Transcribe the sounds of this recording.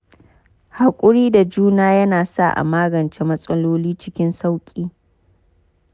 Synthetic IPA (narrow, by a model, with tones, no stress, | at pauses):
ha˨kʷʼʊ˦ɽiː˦da˨d͡ʒuː˦naː˦jɐ˦naː˨sa̰˦˨ʔa̰˨maː˦ɡɐ˨nt͡ʃe˦mɐ˦sʼɐ˦loː˦liː˦t͡ʃɪ˦kʲɪ˦nsa˦wkʲʼiː˦